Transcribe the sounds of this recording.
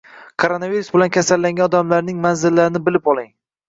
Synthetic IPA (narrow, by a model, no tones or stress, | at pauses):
kʰoɾonaviɾusbɪlankʲʰasalːaŋɡʲanɒd̪amlaɾnɪŋmanzɪlːaɾɪnɪbɪlɪpɒlˠɪŋ